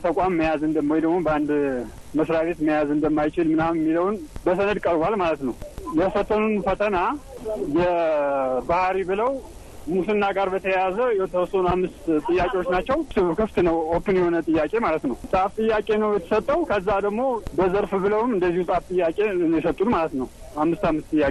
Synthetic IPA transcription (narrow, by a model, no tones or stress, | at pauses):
t̪ʰəkʼamːəjazɨnd̪əmːwjd̪əɡmobəand̪ | məsɾaβe̞t̪məjazɨnd̪əmːajt͡ʃɪlmɨnammːiləwnbəsənəd̪kʼəɾbalmalət̪nəwjɛfət̪ʰːənunfət̪ʰənajɛ | bahɾibɨləw | musɨnːaɡaɾbət̪ʰəjazəjɛt̪ʰəwɔst̪unamːɨst̪t̪ʼɨjːakʼewo̞t͡ʃːnat͡ʃːɛwsɨkʰɨft̪nəwokːɨnjɛho̞nət̪ʼɨjːakʼe̞malət̪nəwsʼaft̪ʼɨjːakʼe̞nəwjɛt̪ʰə̥sət̪ʼːəwkʰəzːad̪əɡmo̞bəzəɾfbɨləwmɨnd̪əzːihusʼaft̪ʼɨjːakʼe̞njɛsət̪ʼːunmalət̪nəw | amːɨst̪amːɨst̪ʼɨjːakʼe